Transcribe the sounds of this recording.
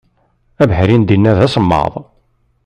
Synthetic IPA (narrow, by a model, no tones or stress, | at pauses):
æbħɾind̪inːæðæsəmːɑ̰ðˤ